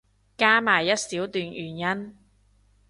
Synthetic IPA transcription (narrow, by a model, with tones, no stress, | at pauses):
kaː˥maː˨˩jːɐ˥t̚siː˨˥wt̪yː˨njyː˨˩njɐ˥n